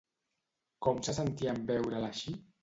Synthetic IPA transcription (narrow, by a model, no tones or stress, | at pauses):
kɔmsasənt̪iəmbɛwɾəlaʃi